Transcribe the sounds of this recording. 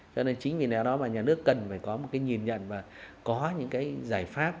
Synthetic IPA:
t͡ɕɔ˧ne˧nt͡ɕï˨˦ŋ̟vi˨˩naː˨˩wɗɔ˨˦maː˨˩ɲaː˨˩nɨ˦˥əkːə˨˩nfaː˧˩jkɔ˨˦mo˨˩t̚kaː˨˦jŋi˨˩ənɲə̰˧˨nvaː˨˩kɔ˨˦ɲɨ̰˧˥ŋkaː˨˦jzaː˧˩jfaː˦˥p̚

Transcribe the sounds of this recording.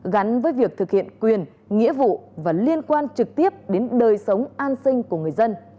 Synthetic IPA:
ɣa˨˦n̟vəː˨˦jvi˨˩ək̚t̪ʰɨ˨˩k̚hḭ˧˨ənkwi˨˩ən | ŋḭ˧˥əvṵ˧˨vaː˨˩li˧ənkwaː˧nt͡ɕɨ˨˩k̚t̪i˦˥əp̚ɗe˨˦nɗəː˨˩jsə˨˦wŋ͡mʔaː˧nsï˧ŋ̟ku˧˩əŋɨ˨˩əjzə˧n

